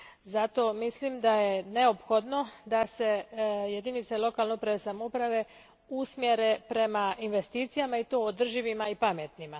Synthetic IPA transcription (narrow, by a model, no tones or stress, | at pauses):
zat̪o̞ːmislimd̪aje̞ne̞opxo̞d̪no̞d̪ase̞je̞d̪init̪sailo̞kalneupɾaʋesamoupɾaʋe̞ | usmje̞ɾepɾe̞mainʋe̞st̪iːt̪sijamait̪oːod̪r̩ʒiʋimaipamet̪nima